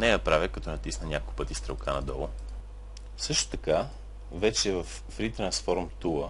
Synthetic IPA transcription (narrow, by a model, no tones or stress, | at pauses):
nɛjɐpɾavʲjəkɐt̪ɔnɐt̪isnənʲakolˠkʊpɤt̪ist̪ɾɛlˠkʰanɐ̰d̪ɔlˠʊ | sɤʃt̪o̥t̪ɐka | vɛt͡ʃɛvɐfːɾit̪ɾɐnsfɔɾmt̪ulˠə